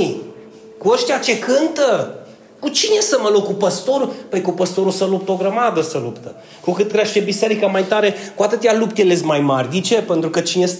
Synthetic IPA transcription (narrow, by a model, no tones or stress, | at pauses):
kuəʃt̪ʲjat͡ʃe̞kɨnt̪ə | kut͡ʃine̞səməlokupəst̪o̞ɾupəjkupəst̪o̞ɾusəlup̚t̪o̞ɡɾəmad̪əsəlupt̪ə | kukɨt̪kɾʲeʃt̪ebise̞ɾikəmajt̪aɾe̞kuat̪ɨt̪ealupt̪elezʲmajmarʲd̪it͡ʃe̞pe̞nt̪ɾukət͡ʃines